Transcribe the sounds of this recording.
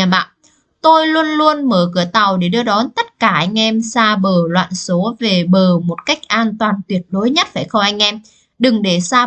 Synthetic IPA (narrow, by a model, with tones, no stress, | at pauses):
a˨˩ɓa̰ː˧˨n | t̪o˧jlu˧ənlu˧ənməː˧˩kɨ˧˩ət̪a˨˩wɗe˧˩ɗɨ˧əɗɔ˨˦nt̪ə˦˥t̚kaː˧˩ʔa˧jŋ̟ʔɛ˧msaː˧ɓəː˨˩lwa̰ː˧˨nso˨˦ve˨˩ɓəː˨˩mo˨˩t̚ka˦˥jk̟̚ʔaː˧nt̪waː˨˩nt̪wi˨˩ət̚ɗo˨˦jɲə˦˥t̚faː˧˩jxə˧wʔa˧jŋ̟ʔɛ˧m | ɗɨ˨˩ŋɗe˧˩saː˧